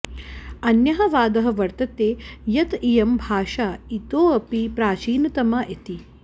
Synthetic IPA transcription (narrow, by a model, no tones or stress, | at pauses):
ɐnjɐɦɐʋaːd̪ɐɦɐ̆ʋɐɾt̪ɐt̪eːjɐt̪ijɐmbʱaːʃaːit̪oːɐpipɾaːt͡ʃiːnɐt̪ɐmaʔet̪i